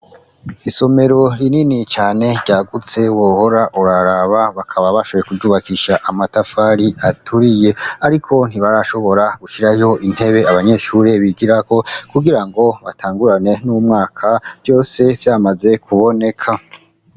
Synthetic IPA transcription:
iso̞me̞ɾo̞ɾininit͡ʃaːne̞ɾɟaːɡut͡se̞uwohoɾaʔuɾaɾaβaβakʰaβaβaʃoβo̞jekuvɟuːβakiʃaʔamatafaːɾiʔatʰuɾije̞aɾikʰo̞n̥hiβaɾaʃo̞βo̞ɾaɡ̥uʃiɾajo̞ʔin̥he̞βe̞aβaɲe̞ːʃuːɾe̞βiɡiɾako̞kuɡiɾaŋɡo̞βatʰaːŋɡuɾane̞numŋaːkʰav̥ɟo̞ːse̞vjaːmaze̞kʰuβo̞ne̞kʰa

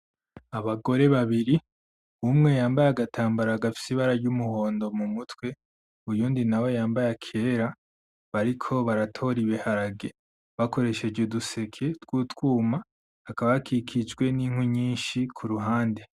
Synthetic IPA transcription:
aβaɡo̞ɾe̞βaβiɾi | umŋe̞jaːmbajaɡatʰaːmbaɾaɡafi̥siβaɾaɾjɟumuho̞ːndo̞mumutwe̞ | ujuːndinawo̞jaːmbajakʰe̞ːɾa | βaɾikʰo̞βaɾatʰo̞ɾiβihaɾaɡe̞ | βako̞ɾe̞ʃeɟuduse̞kʰe̞tɡwutwuːma | akaβajakʰikʰid͡ʒɡwe̞niŋ̥wuɲiːnʃikʰuɾuɦaːnde

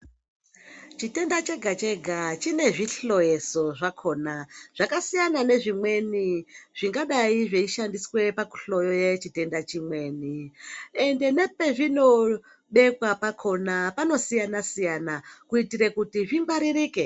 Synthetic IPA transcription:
t͡ʃite̞ndat͡ʃe̞ɡʱat͡ʃe̞ɡʱat͡ʃine̞ʐiɬo̞je̞so̞ʐakʰo̞ːnaʐ̥akasijanane̞ʐimwe̞niʐ̥iŋɡaɗaiʐeiʃandiswe̞paku̥ɬo̞jojet͡ʃite̞ndat͡ʃimwe̞ːniende̞ne̞pe̞ʐino̞ | ɓe̞kwapakʰo̞napano̞sijanasijanakuitiɾekutiʐimbaɾiriːke

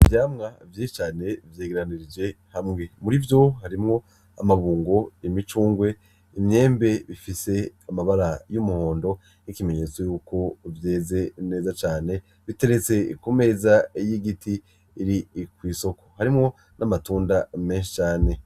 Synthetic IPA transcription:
vjaːmŋavjeːit͡ʃaːne̞vjeːɡeɾaniɾid͡ʒe̞hamŋe̞muɾivjo̞haɾimŋo̞ | a̰maβuːŋɡo̞emit͡ʃuːŋɡwe̞ | imɲe̞ːmbe̞βifise̞amaβaɾajumuho̞ːndo̞ | nikime̞ɲe̞t͡so̞juːkʰo̞vje̞ːze̞ne̞ːzat͡ʃaːne̞ | βite̞ɾet͡se̞kume̞zaijiɡitiː | ɾikwiːso̞kʰo̞̥haɾimŋo̞ | nʔamatuːndame̞ːnʃi̥t͡ʃaːne̞

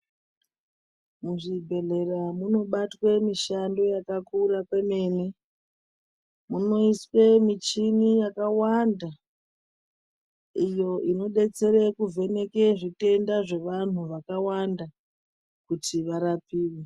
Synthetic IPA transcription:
muʐibʱe̞ɮe̞ramuno̞ɓatwemiʃando̞jakakurakwe̞me̞ːne | muno̞iswe̞mit͡ʃinijakawanda | ijo̞ʔino̞ɗe̞t͡se̞ɾekuve̞ne̞ke̞ʐite̞ndaʐe̞ʋan̤uʋakawanda | kutiʋaɾapiːwe

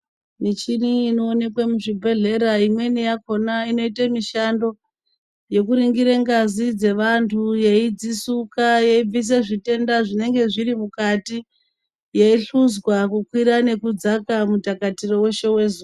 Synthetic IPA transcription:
nit͡ʃiniːno̞ːne̞kwemuʐibʱe̞ɮe̞ɾaimwe̞nijako̞naino̞itamiʃando̞ | je̞kuɾiŋɡiɾeŋɡazid͡ze̞ʋantʰujeid͡zisukajeib͡vis̬eʐite̞ndaʐine̞ŋɡe̞ʐiɾimukati | jeiɬuzɣwakukwiɾane̞kud͡zakamutakatiro̞we̞ʃe̞we̞zu

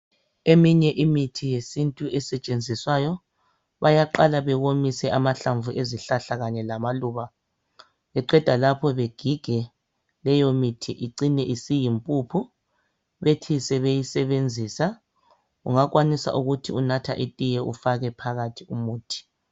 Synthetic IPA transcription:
emiɲɛʔimitʰijesintʼuʔɛsɛt͡ʃʼend͡zʱiswajɔ | βajaǃalaβɛɣomisɛʔamaɬaɱvʱuʔeziɬaɬaɣaɲɛlamaluːβa | βɛǃwɛd̥ʱalapʰɔβeɡ̥ʱiɡ̥ʱɛ | lɛjomitʰiʔiǀinɛʔisijimpʼupʰu | βetʰisɛβejisɛβend͡zʱiːsa | uŋaɣwanisa̰ʔuɣutʰiunatʰa̰ʔetʼijɛʔufaɣɛpʰaɣatʰiumuːtʰi̥

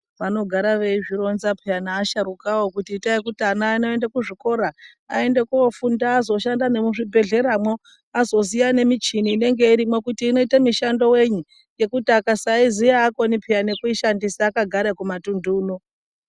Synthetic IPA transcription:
ʋano̞ɡʱaɾaʋe̞iʐiɾo̞nzapʰianaːʃaɾukawo̞kutiːtaikutanaino̞e̞ndekuʐiko̞ɾa | ae̞ndekuofundaːzo̞ʃandane̞muʐibʱe̞ɮe̞ɾamwo | azo̞sijane̞mit͡ʃiniːne̞ŋɡe̞iɾimwekutiːno̞itamiʃando̞we̞ɲu | je̞kutakasaizijaːko̞nipʰijane̞kuiʃandisaːkaɡʱaɾekumatunduːno

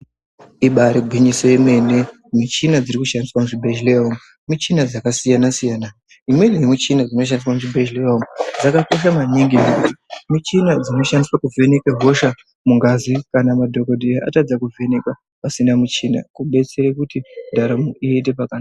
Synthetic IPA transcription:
iɓaɾiɡʱwiɲisojeme̞ne | mut͡ʃinad͡ziɾikuʃandiswamuʐibʱe̞ʃleomu | mut͡ʃinad͡zakasijanasijaːna | imwe̞nejemut͡ʃinad͡zino̞ʃ̬andiswamuʐibʱeʒleomud͡zakako̞ʃ̬amaniŋɡimekuti̥mut͡ʃinad͡zino̞ʃandiswakuve̞ne̞keɦo̞ʃa | muŋɡazikanamadʱo̞ko̞dʱejaʔatad͡zakuvʱe̞ne̞ka | pasinamut͡ʃina̰kuɓe̞t͡seɾekutidʱaɾamuʔiet̬e̞pakana

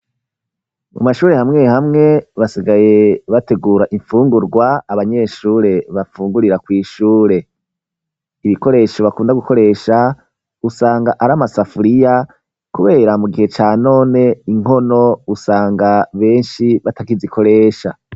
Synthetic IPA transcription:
mumaʃuːɾe̞hamŋe̞hamŋe̞βasiɡaje̞βate̞ɡuːɾaʔiɱfuːŋɡuɾɡwaːβaɲe̞ːʃuːɾe̞βafuːŋɡuɾiɾakwiːʃuːɾe̞ | iβiko̞ɾe̞ʃoβakuːndaɡuko̞ɾe̞ːʃa | usaːŋɡaʔaɾamasafuɾija | kuβe̞ːɾamuɡihe̞t͡ʃaːno̞ːne̞iŋ̥o̞no̞usaːŋɡaβe̞ːnʃiβatakizikʰo̞ɾe̞ːʃa̰

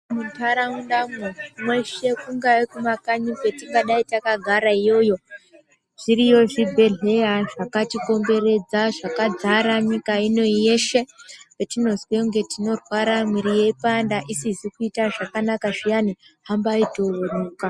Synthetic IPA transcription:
muntʰaɾamunɗamomwe̞ʃe̞kuŋɡaekumakaɲipwe̞tiŋɡaɗaitakaɡʱaɾaijo̞jo̞ | ʐ̥iɾijo̞ʐibʱe̞ɮe̞jaʐakatiko̞mbe̞ɾe̞d͡zaʐakad͡zaɾaɲikaino̞ijeʃe̞petino̞zweŋɡe̞tino̞rwaɾamwiɾije̞ipandaʔisizikuitaʐakanakaʐijaniɦambaitooɗuːka

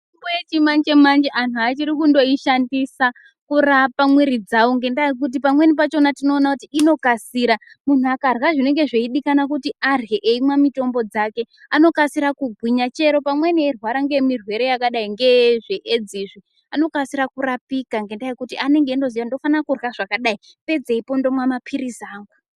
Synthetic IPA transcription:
imbujet͡ʃimand͡ʒe̞mand͡ʒeʔanuat͡ʃiɾikundo̞iʃandisa | kurapamwiɾid͡zawoŋɡendaik̬ut̬ipamwe̞nip̬at͡ʃo̞natino̞ːnakutiːno̞kasiːɾa | mun̤uakarwaʐine̞ŋɡe̞ʐeiɗikanak̬utiarɣeʔeimwamito̞mbo̞d͡zake̞ | ano̞kasiɾakuɡʱwiɲat͡ʃe̞ɾo̞pamwe̞niirwaɾaŋɡe̞mirwe̞ɾe̞jakaɗaiŋɡe̞ʐeʔed͡ziʐi | ano̞kasiɾakurapikaŋɡe̞ndaikutiʔane̞ŋɡe̞ndo̞zijando̞fanakurwaʐ̥akaɗai | pe̞d͡ze̞ipo̞ndo̞mwamapʰiɾizaːŋɡa

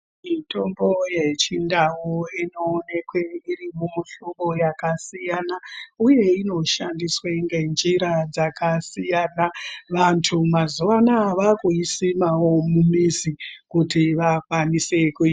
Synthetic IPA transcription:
mito̞mbo̞je̞t͡ʃindawoino̞ːne̞kwe̞irimoɬuɡo̞jakasijanauje̞ino̞ʃandisweŋɡend͡ʒiɾad͡zakasijanaʋantʰumazuʋanaʋakuisimawo̞mumisikutiʋakwanisekuiː

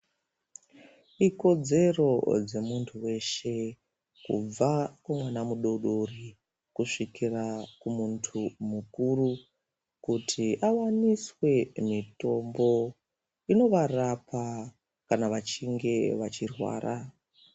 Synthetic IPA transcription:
iko̞d͡ze̞ro̞d͡ze̞muntʰuwe̞ʃe̞ | kṵb͡vakwamwanamuɗo̞ɗori | kuʂikirakumuntʰumukuru | kutʰiʔawaniswe̞mito̞mbo̞ | ino̞ʋarapa | kanaʋat͡ʃiŋɡe̞ʋat͡ʃirwa̰ːɾʔa

